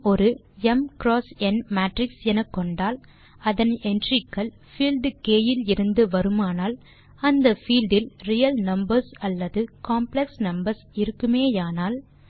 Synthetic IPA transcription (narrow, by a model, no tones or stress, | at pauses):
ɔɾɯ | ɛmkɾoːsɛnmaːʈɾɪksɛnɐkːɔɳɖaːl | ɐðɐnɛndrɪkːɐɭ | fiːlɖkeːjɪlɪɾɯnd̪ɯʋɐɾɯmaːnaːl | ɐnd̪ɐfiːlɖɪlrijɐlnɐmbɐɾsɐlːɐðɯkaːmplɛksnɐmbɐɾsɪɾɯkːɯmeːjaːnaːl